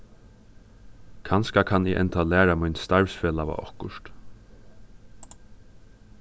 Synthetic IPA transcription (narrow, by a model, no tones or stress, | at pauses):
kʰanskakʰanɪ̰ʔɛ̰nt̪ʰalæːɾamujnst̪aɹvsfɛːlaʋa̰ʔɔhkʊʃt̪